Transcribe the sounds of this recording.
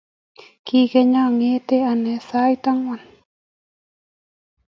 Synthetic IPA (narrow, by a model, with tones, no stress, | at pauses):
ki˨kɛ˧ɲa˦ŋe˦t̪e˦a˨nɛ˨sa˦jt̪a˦ŋwa˨n